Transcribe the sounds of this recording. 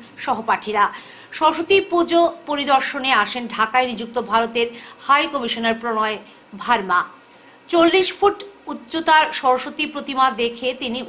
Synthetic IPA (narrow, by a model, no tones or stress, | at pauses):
ʃɔɦopaʈʰiɾa | ʃɔɾoʃot̪ipud͡ʑopoɾid̪ɔɾʃoneaʃenɖʱakaenid͡ʑuk̚t̪obʱaɾot̪eɾhajkɔmiʃoneɾpɾonɔe | bʱaɾma | t͡ɕolːiʃfuʈutːɕot̪aɾʃɔɾoʃot̪ipɾot̪imad̪ekʰet̪ini